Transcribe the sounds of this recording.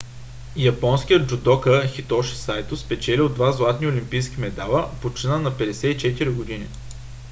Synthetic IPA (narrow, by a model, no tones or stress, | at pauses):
jɐpɔnskijəd̪d͡ʒʊd̪ɔkəxit̪ɔʃi̥sajt̪ospɛt͡ʃɛliod̪vazlˠat̪niolʲimpijskimɛd̪alˠəpot͡ʃinənɐpɛd̪ɛsɛit͡ʃɛt̪iɾiɡod̪ini